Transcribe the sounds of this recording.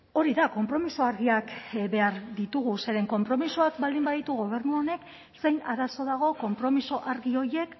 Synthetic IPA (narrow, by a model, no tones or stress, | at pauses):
o̞ɾiðako̞mpɾo̞misoaɾɣiakbe̞aɾd̪it̪uɣ̞use̞ɾe̞ŋko̞mpɾo̞misoakbald̪imbaðit̪uɣo̞β̞e̞ɾnuo̞ne̞k | se̞jnaɾaso̞ðaɣ̞o̞ko̞mpɾo̞misoʔaɾɣio̞je̞k